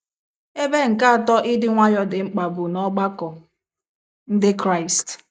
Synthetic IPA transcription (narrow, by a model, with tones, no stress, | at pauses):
e˦be˦ŋ̩˨ka˦a˨tɔ˦ʔɪ˦dɪ˦ŋʷa˦jɔ˦dɪ˨ŋ͡m̩˦k͡pa˨bʊ˨nɔ˦ɡ͡ba˦kɔ˨ | n̩˦dɪ˦kɾa˦ɪ˨st